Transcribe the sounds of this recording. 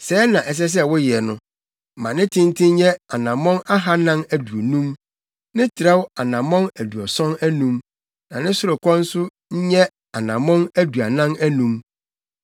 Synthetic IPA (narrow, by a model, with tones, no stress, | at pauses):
sɛ˨˦nã˨ʔɛ˨s̬ɛ˦s̬ɛ˦wʊ˦jɪ˨ɛ˨nʊ̃˦˨ | mã˨nɪ̃˦tʰɪ̃˦n˦tʰɪ̃˦ɲ˦ɲɛ˦a˨nã˨mɔ̃˦na˦ɦa˦nã˦næ˨du˨o˨nũ˦m | nɪ̃˦tʰɪ˨ɾɛ˦wa˨nã˨mɔ̃˦næ˨du˨ɔ˨sɔ̃˦næ˦nũ˦m | nã˨nɪ̃˦sʊ˦ɾʊ˨kʷʰɔ̃˦n̩˦sʊ˦ | ɲ̩˦ɲɛ˦ | a˨nã˨mɔ̃˦næ˦du˨a˨nã˦næ˦nũ˦m